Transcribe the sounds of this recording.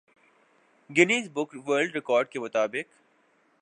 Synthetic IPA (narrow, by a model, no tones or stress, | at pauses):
ɡɪniːsbʊkʋəːɾlɖɾɪkɔːɾɖ̚kemʊt̪aːbɪq